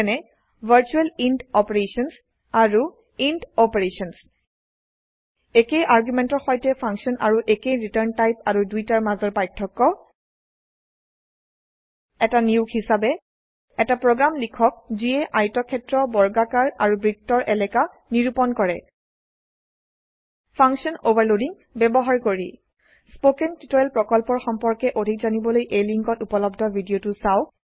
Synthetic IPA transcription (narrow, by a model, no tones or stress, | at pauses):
ɛnɛ | vʱəɹt͡ʃuɛlindɔpeɹesɔns | aɹu | indɔpeɹesɔns | ekejʔaɹɡumɛntɔɹxɔjtɛpʰaŋksɔnʔaɹuʔekejɹitəɹntajpaɹudujtaɹmazɔɹpajtʰːɔkːɔ | ɛtaniʊɡhisabɛ | ɛtapɹoɡɹamlikʰɔk̚ziɛʔajtɔkʰːɛtɹɔbɔɹɡakaɹaɹubɹiktːɔɹʔɛlɛka | niɹupɔnkɔɹɛ | pʰaŋksɔnobaɹlodiŋ | bɛbɔɦaɹkoɹḭ | spokɛntitɔjlpɹɔkɔlpɔɹxɔmpɔɹkɛʔodʱik̚zanibɔlojʔejliŋkɔtupɔlɔbdʱɔbʱidiotusaʊ